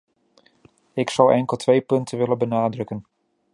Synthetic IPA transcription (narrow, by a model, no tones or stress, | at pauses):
ɪksɑlˠɛŋkəlˠtʋejpɵntʰəʋɪlənbənaːdrɵkən